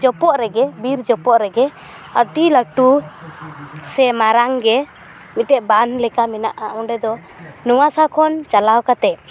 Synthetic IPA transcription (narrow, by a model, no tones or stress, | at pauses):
d͡ʒɔpɔʔɾɛɡɛbiɾd͡ʒɔpɔʔɾɛɡɛ | əʈiləʈu | sɛmaɾaŋɡɛ | mit̪̚ʈɛʔbanlɛkamɛna̰ʔaɔ̃ɖɛd̪ɔ | nuwasakʰɔnt͡ʃalawkat̪ɛ